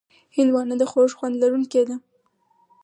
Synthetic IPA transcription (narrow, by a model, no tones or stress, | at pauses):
hɪnd̪wɑnəd̪əxoʐxwand̪laɾuŋked̪a